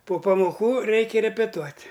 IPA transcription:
poː pɐmoːˈkuː ˈrʲɛɪkʲɛ rʲɛpʲɛˈtuɔtʲ

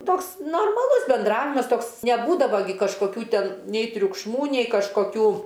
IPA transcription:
ˈtoːks noːrmɐˈlˠʊs bʲɛnˈdrɑːʋʲɪmɐs ˈtoːks nʲɛˈbuːdɐʋoː ɡʲɪ kɐʃkoːˈkʲuː ˈtʲɛn nʲɛɪ tʲrʲʊkʃˈmuː nʲɛɪ kɐʃkoːˈkʲuː

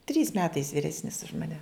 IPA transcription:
tʲrʲiːs ˈmʲæːtɐɪs ʋʲɪˈrʲæːsʲnʲɪs ʊʃ mɐˈnʲɛ

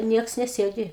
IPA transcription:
ˈnʲiɛks nʲɛˈsʲeːdʲɪ

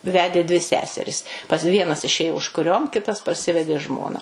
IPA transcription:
ˈʋʲæːdʲeː dʲʋʲɪ ˈsʲæːsʲɛrʲɪs pɐs ˈʋʲiɛnɐs ɪˈʃʲeːjoː ʊʃkʊˈrʲoːm ˈkʲɪtɐs pɐrʲˈsʲɪʋʲɛdʲeː ˈʒmoːnɐ

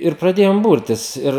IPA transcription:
ɪr prɐˈdʲeːjoːm ˈbʊrʲtʲɪs ˈɪr

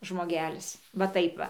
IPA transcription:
ʒmoːˈɡʲæːlʲɪs ʋɐ ˈtɐɪp ʋɐ

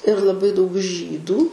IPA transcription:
ɪr lˠɐˈbɐɪ dɐʊk ˈʒʲiːduː

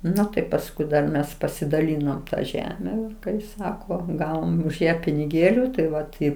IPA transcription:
ˈnʊ tɐɪ pɐsˈkʊɪ dɐr ˈmʲɛs pɐsʲɪdɐˈlʲiːnoːm tɐ ˈʒʲæːmʲɛ kɐɪ ˈsɑːkoː ˈɡɑːʋoːm ʊʃ ˈjæː pʲɪnʲɪˈɡʲeːlʲʊ tɐɪ ˈʋɐt ɪ

